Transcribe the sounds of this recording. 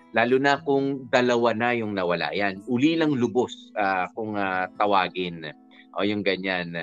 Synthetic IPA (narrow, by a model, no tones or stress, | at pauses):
laːlʊnɐkʊŋd̪ɐlɐwanajʊŋnɐwɐla̰janʔʊlinɐŋlʊbosakʊŋat̪ɐwaːɡɪn | ʔojʊŋɡɐɲan